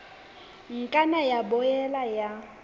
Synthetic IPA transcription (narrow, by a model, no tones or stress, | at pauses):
ŋ̩kʼanajabɔjɛlaja